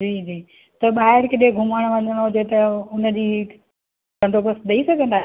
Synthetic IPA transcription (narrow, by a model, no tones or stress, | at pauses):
d͡ʑiːd͡ʑiː | t̪ɐɓaːɦɪɽkɪɗeɡʱʊməɽ̃ʋɐ̃ɲəɽ̃ɦʊd͡ʑet̪ɐʊnəd͡ʑiː | kɐ̃ɳɖobəsɗ̪ɐisɐɡʱə̃nd̪aː